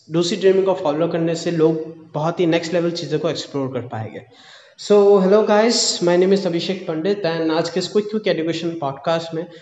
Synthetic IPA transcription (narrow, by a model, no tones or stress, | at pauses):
duːsɾiɖɾiːmɪ̃ŋkofɔːlokɐɾneseloːɡ̚b̥ɐɦɔt̪ɦinɛksʈleːʋəlt͡ʃiːzõkoeksploːɾkɐɾpa̰ːḛːɡḛː | soːɦɛloːɡaːɪzmaːɪneːmɪzɐbʱɪʃeːkʰpɐ̃ɳɖet̪ɛ̃ːnaːd͡ʒkeskʊkjũkeɛɖjukeːʃə̃npɔːɖkaːsʈmẽ